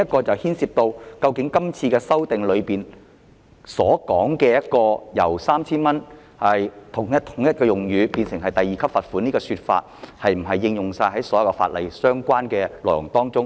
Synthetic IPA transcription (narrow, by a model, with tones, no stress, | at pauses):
jɐ˥t̚kɔː˧t͡sɐ˨whiː˥nsiː˧p̚t̪o˧wkɐ˧wkɪ˨˥ŋkɐ˥mt͡sʰiː˧kɛː˧sɐ˥wt̪ɪ˨ŋlɵ˨˧ɥpiː˨n | sɔː˨˥kɔː˨˥ŋkɛː˧jɐ˥t̚kɔː˧jɐ̰˨˩wsaː˥mt͡sʰiː˥nmɐ˥n | hɐ˨jt̪ʰʊ˨˩ŋjɐ˥t̚t̪ʰʊ̥˨˩ŋjɐ˥t̚kɔː˧jʊ˨ŋjyː˨˧piː˧nsɪ˨˩ŋɦɐ˨jt̪ɐ˨jiː˨kʰɐ˥p̚fɐ˨t̚fu˨˥niː˥kɔː˧syː˧t̚fa̰ː˧t̚hɐ˨jm̩˨˩ɐ˨jːɪ˧ŋjʊ˨˩ŋsaː˧jɦɐ˨˥jsɔː˨˥jɐ˨wkɔ˧fa̰ː˧t̚lɐ̰˨˩jsœː˥ŋkʷaː˥nkɛː˧lɔː˨˩jʊ˨˩ŋt̪ɔː˥ŋt͡sʊ˥ŋ